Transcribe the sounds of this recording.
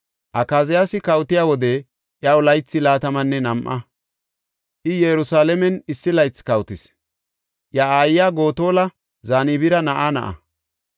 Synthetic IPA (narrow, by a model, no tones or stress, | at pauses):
ʔɐkaːzɪjasɪkɐwt̪ɪjaːwɔd̪ɛ | ʔjɐʊlɐjt͡sːɪlaːt̪ɐmɐnːɛnɐmʔɐ | ʔɪjɛɾʊsaːlɛmɛnɪsːɪlɐjt͡skɐwt̪ɪs | ʔjaaːjjaːɡo̞ːt̪o̞ːlɐ | zaːnibɪɾɐnɐʔanɐ̰ʔɐ̰